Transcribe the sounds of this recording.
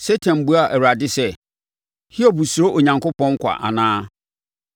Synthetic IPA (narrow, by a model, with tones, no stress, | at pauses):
se˦tʰã˨nbu˦a˦˨ʔɛ˨ɾa˨dɪ˦sɛ˦ | hi˦o˨bu˨su˨ɾo˦ʔo˨ɲã˨ŋkʊ˦pɔ̃˦ŋ˦kʷʰa̰˨ʔa̰˨nãː˦